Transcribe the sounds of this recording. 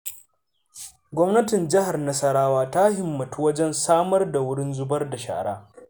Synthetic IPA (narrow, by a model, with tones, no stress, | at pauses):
ɡʷɔ˦mnɐ˦tɪ˨nd͡ʒɪ˦ha˨rnɐ˦sɐ˦ɽaː˦waː˦ta˦hɪ˨mːɐ˨tu˦wɐ˦d͡ʒɛ˦nsaː˦mɐ˦rda˨wʊ˦ɽɪ˦nzʊ˦bɐ˦rda˨ʃa̰ː˨ɽa̰ː˦